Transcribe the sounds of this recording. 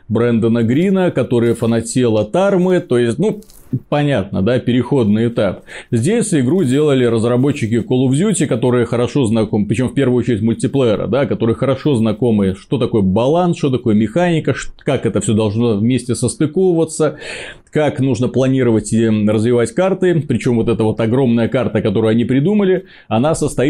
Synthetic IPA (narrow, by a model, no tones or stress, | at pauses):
bɾɛnd̪ənəɡɾʲinəkɐt̪o̞ɾɨjəfənɐtʲelˠət̪armɨt̪o̞jɪsʲt̚ʲnu | pɐnʲat̪̚nə̰d̪apʲɪɾʲɪxo̞d̪̚nɨɪt̪apzʲdʲesʲɪɡɾudʲe̞lˠəlʲɪɾəzrɐbo̞t͡ɕːɪkʲɪkolˠʊvzʲutʲɪkɐt̪o̞ɾɨjəxəɾɐʂo̞znɐkomɨpɾʲɪt͡ɕɪo̞mfpʲe̞rvʊjot͡ɕɪɾʲɪtʲmʊlʲtʲɪplˠɛɛɾə̰d̪akɐt̪o̞ɾɨjəxəɾɐʂo̞znɐko̞mɨʂt̪o̞t̪ɐko̞jbɐlˠansʂt̪ot̪ɐko̞jəmʲɪxanʲɪkəʂkakɛt̪əfsʲod̪ɐlˠʐno̞vmʲesʲtʲɪsəst̪ɨkovʊvət̪sə | kaknuʐnəplˠɐnʲiɾəvətʲɪrəzvʲɪvatʲkart̪ɨpɾʲɪt͡ɕo̞mvo̞t̪ɛt̪əvo̞t̪ɐɡɾo̞mnəjəkart̪əkɐt̪o̞ɾʊjɐnʲipɾʲɪd̪uməlʲɪ | ɐnasəst̪ɐi